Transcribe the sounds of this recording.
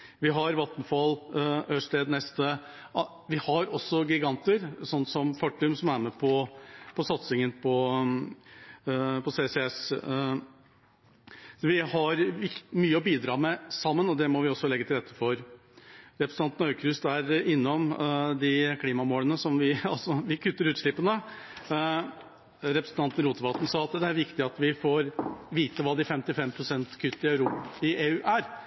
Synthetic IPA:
ʋɪɦɑɾʋɑt̪nfɑløʂʈ̪eːd̪nɛst̪ə | ʋɪhɑɾɔsːɔɡɪɡɑnt̪əɾsɔnːsɔmfɑʈːʏmsɔmæɾmɛpʰɔpʰɔsɑt̪sɪŋənpʰɔ | pʰɔseːsɛɛs | ʋɪhɑɾɪmyːəɔbiːd̪ɾɑːmɛsɑmːənɔd̪ɛmɔʋɪɔsːɔlɛɡət̪ɪlɾɛt̪ːəfɔɾ | ɾɛpɾəsɑnt̪nɑʏkʰɾʉst̪æɾɪnːɔmd̪ɪkʰliːmɑmoːlənəsɔmʋɪɑlsɔʋɪkʰʉt̪ːəɾʉːt̪ʂɭɪpːənə | ɾɛpɾəsn̩t̪ʰɑnt̪ən̩ɾuːt̪əʋɑt̪n̩sɑːɑt̪d̪ɛæɾʋɪkt̪ɪɑt̪ʋɪfoːɾʋiːt̪əʋɑːd̪ɪfɛmt̪ɪfɛmpʰɾʊsɛnt̪kʰʏt̪ːɪœʉɾuːpɪʔeːʉːʔæɾ

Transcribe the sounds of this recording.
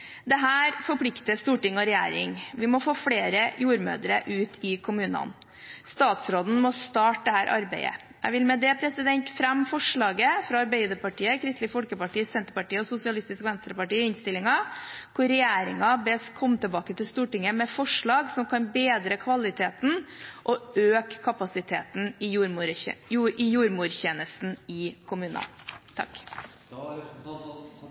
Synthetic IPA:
d̪ɛɦæːɾfɔpʰlɪkt̪əst̪uːʈɪŋːɔɾɛjæ̰ːɾɪ̰ŋʋɪmɔfoːfɽeːɾəjuːɾmø̰ːd̪ɾəʔʉːt̪ʰɪkʰʊmʉːnɑ̰n | st̪ɑːt̪sɾoːd̪n̩mɔst̪ɑːʈ̚d̪ɛhæːɾʔɑ̰ɾbeɪə̰ | ʔæ̰ʋɪlmɛd̪ɛpʰɾɛsɪd̪ɛɲt̪fɾæmːfɔʂɭɑːɡəfɾɑɑɾbeɪd̪əɾpɑʈiːəkʰɾɪst̪ɪfɔlkəpɑʈiːsɛnt̪əɾpɑʈiːəɔsʊsɪɑlɪst̪ɪskʋɛnst̪ɾəpɑʈiːɪnst̪ɪlːɪŋɑkʰʊɾɾɛjæːɾɪŋɑbɛskʰɔmːt̪ʰəlbɑːkət̪ʰɪlst̪uːʈɪŋːəmɛfɔʂɭɑːɡsɔmkʰɑnbeːd̪ɾəkʰʋɑlɪt̪ʰeːt̪nʔɔøːkʰːɑpɑsɪt̪ʰeːt̪n̩ɪɾʔɪjuːɾmuːɾçeːnəsn̩ɪkʰʊmʉːnɑ̰t̪ʰɑ̰k

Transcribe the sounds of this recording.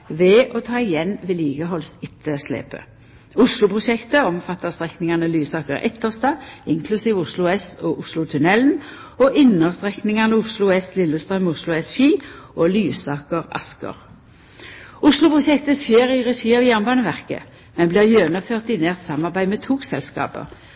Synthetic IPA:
ʋɛʔɔt̪ʰɑːɪjɛnːʋɛːliːɡəɦɔlsɪt̪ʰːəslḛːpə̰ | ʊslʊpʰʁʊʃɛkt̪əɔmfɑt̪ːəʁst̪ʁɛknɪŋɑnəlyːsɑːkəʁɛ̰t̪ːəʁst̪ɑːɪŋkʰlʉsiːʋʊslʊɛsɔʔʊslʊt̪ʰʉnɛln̩ | oʔɪnəʁst̪ʁɛknɪŋɑnəʊslʊɛslɪlːəst̪ʁɑmʊslʊɛsʃiːoːlyːsɑːkəʁɑ̰skə̰ʁ | ʊslʊpʰʁʊʃɛkt̪əseːʁiʁɛsiːɑʋjæʁnbɑːnəʋæʁkə̰ | mɛnbliːʁjøːnɑføːʁt̪ɪneːʁt̪sɑmːɑʁbæɪmɛt̪ʰuːksɛlskɑ̰ːpə̰

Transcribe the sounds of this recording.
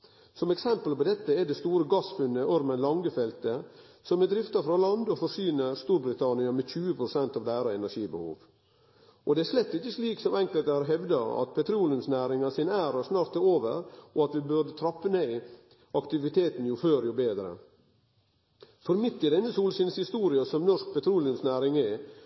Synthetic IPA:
sɔmɛksɛmpəlpɔd̪ɛt̪ːəɛd̪ɛst̪uːɾəɡɑsfʉnːəɔɾmənlɑŋɡəfɛlt̪ə | sɔmɛd̪ɾɪft̪ɑfɾɑlɑnd̪ɔfɔɾʂyːnəɾst̪uːɾbɾɪt̪ʰɑnɪɑmɛçʉːəpʰɾʊsɛnt̪ɑʋd̪ɛæːɾɑɛnæʂiːbəhṵːʋ | ʔɔd̪ɛæɾʂlɛt̪ːɪçəsliːksɔmɛŋkəlt̪əɑɾɦɛʋd̪ɑɾɑ̰t̪̚pʰɛt̪ʰɾuːlɪʉmsnæːɾɪŋɑsɪnæːɾɑsnɑːɾt̪oːʋə̰ɾɔɑt̪ʋɪbʉɾd̪ət̪ʰɾɑpːəneː | ɑkt̪ɪʋɪt̪ʰeːt̪n̩jʊføːɾjʊbeːd̪ɾə̰ | fɔɾmɪt̪ːɪd̪ɛnːəsuːlsɪnshɪst̪uːɾɪɑsɔmnɔʂk̚pɛt̪ʰɾuːlɪʉmsnæːɾɪŋɛ

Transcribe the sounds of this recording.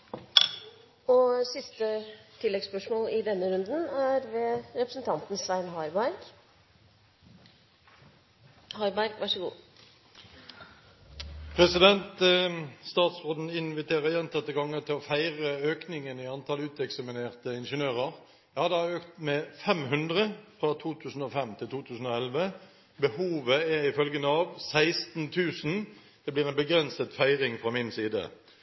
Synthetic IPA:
ɔsɪst̪ət̪ʰɪlːɛɡspœʂmoːlɪd̪ɛnːəɾʉnd̪n̩æɾʋɛɾɛpɾəsn̩t̪ʰɑnt̪n̩sʋæɪnhɑbɑɾɡ | hɑbɑɾkʋɑʂəɡṵː | pʰʁɛsɪd̪ɛnt̪əst̪ɑːt̪soːd̪n̩ɪnʋɪt̪ʰeːʁəjɛnt̪ʰɑt̪ːəɡɑŋːət̪ʰɪlɔfæɪʁəøːknɪŋənɪɑnt̪ʰɑlʉːt̪ɛksɑmɪneːʁt̪əɪnʂənøːʁəʁ | jɑːd̪ɛhɑøːkt̪mɛfɛmɦʉnd̪ʁəfʁɑt̪ʰuːt̪ʰʉːsn̩ofɛmt̪ʰɪlt̪uːt̪ʰʉːsn̩oːɛlʋə | bəhuːʋəɛʁɪfœlɡənəɑʋsæɪst̪n̩t̪ʰʉːsn | d̪̥ɛblɪːʁɛnbəɡʁɛnsət̪fæɪʁɪŋfʁɑmɪnsiːd̪ə̰

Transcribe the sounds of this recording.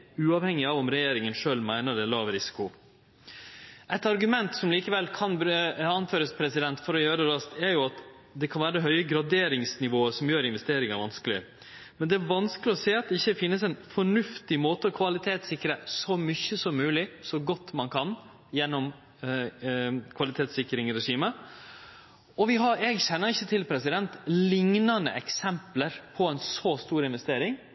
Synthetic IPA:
ʉːɑːʋhɛŋɪɑʋɔmɾɛjeːɾɪŋənʂøːlmæɪnəd̪ɛlɑːʋɾɪsɪ̥kʊ | ʔɛɪt̪ɑɾɡʉmɛnt̪sɔmliːkəʋɛlkʰɑnbɑnføːɾəspʰɾɛsɪd̪ɛnt̪fɔɾɔjøːɾəɾɑst̪ʰɛɾjʊɑt̪ | d̪ɛkʰɑnʋæːɾəd̪ɛɦœʏəɡɾɑd̪eːɾɪŋsnɪʋoːəsɔmjøːɾɪnʋɛst̪eːɾɪŋæɾʋɑnskəlɪ | mɛnd̪ɛæɾʋɑnskəlɪɔseːɑt̪̚d̪ɛɪçːəfɪnːəsɛɪnfɔɳʉft̪ɪmoːt̪əɔkʰʋɑlɪt̪ʰeːt̪sɪkːɾəsɔmʏçːəsɔmːʉːlɪsɔɡɔt̪ːmɑnkʰɑn | jɛnːɔm | kʰʋɑlɪt̪ʰeːt̪sɪkːɾɪŋɾɛʂiːmə | ɔʋɪɦɑɛɡɕɛnːəɾɪçːət̪ʰɪlpʰɾɛsɪd̪ɛnt̪lɪŋnɑnə̰ʔɛksɛmpləɾpʰɔɛnsɔst̪uːɾɪnʋɛst̪eːɾɪŋ

